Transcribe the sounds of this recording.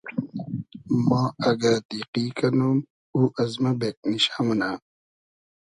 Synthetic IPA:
mãːɐɡɐd̪iqiːkɐnum | uːʔɐzmɐbek̚niɕamɐna

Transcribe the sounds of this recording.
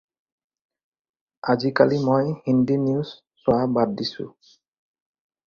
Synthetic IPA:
azikalimojhindiniuzː | ʊabad̚disʊ̰̃

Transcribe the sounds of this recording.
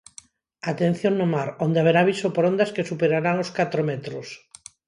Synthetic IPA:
at̪en̟θjoŋnomaɾond̪eaβeɾaβ̞isopoɾond̪askesupeɾaɾaŋoskat̪ɾomet̪ɾos

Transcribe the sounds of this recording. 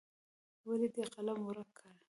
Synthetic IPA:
waled̪eqalamuɾakʰːaɽ

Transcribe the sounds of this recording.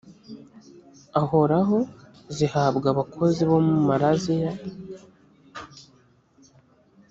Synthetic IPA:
aho̞ɾaɦo̞ | zihabɡaβakʰo̞ziβo̞mumaɾazija

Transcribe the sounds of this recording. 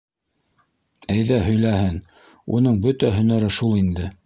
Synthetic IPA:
æjðæhɵ̆jlæhɘn | ṵn̪ɤɴbɵt̪æɦɵ̆næɾɘʃulˠind̪ɘ

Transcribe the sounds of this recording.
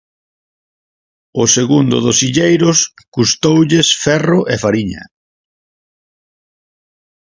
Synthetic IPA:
ʊseɣund̪ʊ̰ðʊsiʎejɾʊskust̪owʎesfɛrʊʔɛfaɾiɲɐ̰

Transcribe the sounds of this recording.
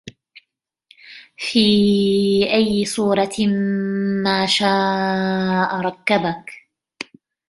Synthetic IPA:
fiː | ʔajːɪsˤuːɾˤɑ | maːʃaː | ʔaɾˤɑkːabak

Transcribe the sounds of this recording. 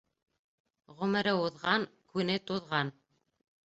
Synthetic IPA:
ʁɵ̆mɘ̆ɾɘuðʁɑŋkʉnɘt̪uðʁɑn

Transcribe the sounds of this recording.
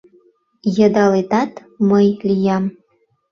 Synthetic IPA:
jɤ̆d̪ɑlet̪ɑt̪ | mɤjlʲijɑm

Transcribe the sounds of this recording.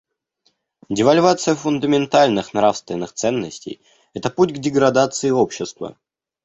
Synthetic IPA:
dʲɪvalʲvat̪sɨjəfʊnd̪əmʲɪnt̪alʲnɨxnɾafst̪vʲɪnːɨxt̪sɛnːəsʲtʲḛj | ɛt̪əputʲɡdʲɪɡɾɐd̪at̪sɨɪopɕːɪst̪və̰

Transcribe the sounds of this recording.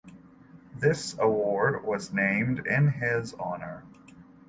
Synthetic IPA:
ðɪsəwɔɹd̚wʌznẽɪ̃mdɪ̃nɪzɑ̰nə˞

